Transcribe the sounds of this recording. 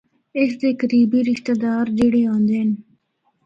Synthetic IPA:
ɪsd̪eːkəɾiːbiːɾɪʃt̪ed̪aːɾd͡ʒiɽeːõːnd̪eːn

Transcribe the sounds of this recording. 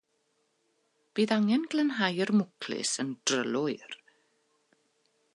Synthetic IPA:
b̥iːðaŋɛnɡlənɦajərmʊkʰlɪ̰səndrə̰lʊɪr

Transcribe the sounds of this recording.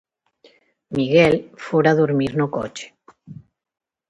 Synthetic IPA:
miɣɛlfoɾaðuɾmiɾnoko̰t͡ʃe̥

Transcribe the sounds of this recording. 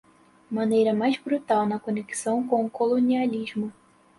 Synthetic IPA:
mɐnejɾɐmajzbɾut̪awnɐkoneksɐ̃w̃kõw̃kolonialʲizmʊ

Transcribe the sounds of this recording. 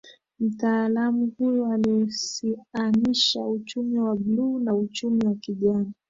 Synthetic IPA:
m̩taːlamuhujɔalisianiʃa̰ut͡ʃumiwaɓluːnaut͡ʃumiwakiʄana

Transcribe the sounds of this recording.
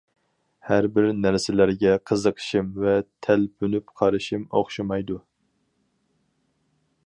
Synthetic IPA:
hæɾbɪɾnæɾsɪlæɾɡʲɛqʰəzəqʰə̥ʃɨmvɛt̪ʰælpʰynypqʰɑɾɨʃɨmo̰χʃɨmɑjd̪u

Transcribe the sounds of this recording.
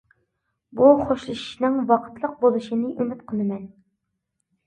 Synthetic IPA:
buχoʃlˠɨʃi̥ʃnɨŋwɑqʰə̥t̪lˠəq̚bolˠɨʃinɨʔymɪt̪qʰəlˠɨmɛn

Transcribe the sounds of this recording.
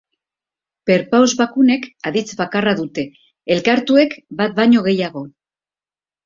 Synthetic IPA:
pe̞ɾpawzβakune̞kaðit͡sβakaraðut̪e̞ː | lkaɾt̪ue̞kbat̪̚baɲo̞ɣe̞jaɣo̞

